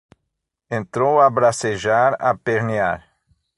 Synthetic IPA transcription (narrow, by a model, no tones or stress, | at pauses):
ẽnt̪ɾowabɾaseʒaɾa̰peɾnia̰ɾ